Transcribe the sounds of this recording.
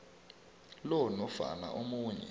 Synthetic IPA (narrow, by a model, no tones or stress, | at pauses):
lɔnɔfa̰na̰ʔomuːɲɛ̰